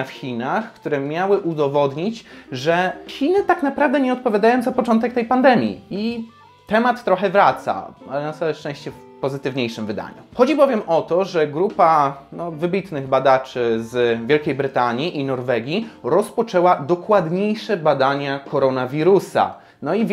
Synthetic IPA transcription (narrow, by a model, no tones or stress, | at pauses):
fxʲinaxkt̪uɾɛmʲjawɘʔud̪ɔvɔd̪ɲit͡ɕʐɛçʲinɘt̪aknapɾavd̪ɛɲɛɔt̪̚pɔvʲjad̪ajɔ̃w̃zapɔt͡ʂɔ̃nt̪ɛk̚t̪ɛjpand̪ɛmʲjḭi | t̪ɛmat̪ːɾɔxɛvɾat̪sa̰alɛnasawɛʂt͡ʂɛ̃w̃ɕt͡ɕɛf | pɔzɘt̪ɘvɲejʂɘmvɘd̪a̰ɲṵxɔd͡ʑibɔvʲjɛmɔt̪ɔʐɛɡɾupanɔvɘbʲit̪nɘɣbad̪at͡ʂɘzvʲjɛlkʲejbɾɘt̪aɲiʔinɔɾvɛɡʲiɾɔspɔt͡ʂɛwad̪ɔkwad̪ɲejʂɛbad̪aɲakɔɾɔnavʲiɾusa̰ | nɔi